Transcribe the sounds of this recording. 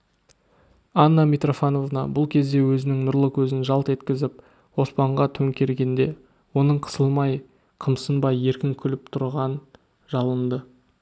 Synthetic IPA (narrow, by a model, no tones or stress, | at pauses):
ɑnːɑmijt̪ro̞fano̞vnɑ̰bʊlˠkʲʰe̞zd̪e̞wɵzɪnɪŋnʊɾlˠəkʲʰɵzɪnʒɑlˠt̪e̞t̪kʲɪzɪp̚ | wo̞spɑɴʁɑt̪ʰɵŋkʲe̞ɾɡʲe̞nd̪e̞ | wo̞nəɴqʰə̥səlˠmɑj | qʰəmsənbɑje̞ɾkʲɪŋkʲʰʏlɪpt̪ʰʊɾʁɑn | ʒɑlˠənd̪ə